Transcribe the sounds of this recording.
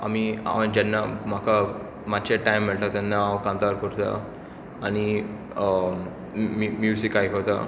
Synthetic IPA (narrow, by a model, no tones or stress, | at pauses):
a̰mia̰d͡ʑɛnːam̤akʰa | mat̪ːt͡ɕeʈajmːiɭt̪at̪anːaːʋkãnt̪aɾkəɾt̪a̰ | añi | mimjusikːajkəɾt̪a̰